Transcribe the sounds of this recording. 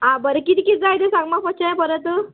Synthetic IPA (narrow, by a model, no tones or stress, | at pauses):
ɦãbəɾekit̪ikit̪̚d͡zajt̪esãŋɡmafət͡ɕəapəɾənt̪ə